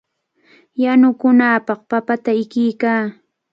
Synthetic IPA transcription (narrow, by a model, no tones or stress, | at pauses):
janʊkʊnaːpɑχpapat̪aɪkɪjkaː